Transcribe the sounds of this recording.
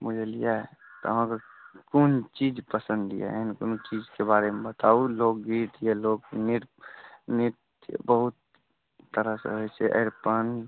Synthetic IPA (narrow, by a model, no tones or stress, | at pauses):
mʊd͡ʒʱelijaɦɛt̪o̰ɦãka | kont͡ʃiːd͡ʒpəsə̃nd̪ija̰ɦɛnkont͡ʃid͡ʒkebaːɾemebət̪aːuloːkɡit̪jeloːɡnɪɾnɪt̪ | j̰bəɦʊt̪ː | əɾəsḛɦoiseʔə̰ɾpən